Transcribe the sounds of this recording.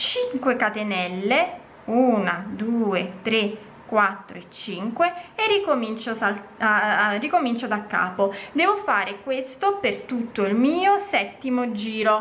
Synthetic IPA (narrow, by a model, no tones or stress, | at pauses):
t͡ʃiŋkwekat̪enɛlːe | uːnad̪uːet̪ɾe | kːwat̪ːɾo̰et͡ʃːiŋkweerːikomint͡ʃoa | rikomint͡ʃod̪akːa̰ːpod̪ɛːvofaːɾekwest̪opert̪ut̪ːoilmiːosɛt̪ːimod͡ʒiːɾo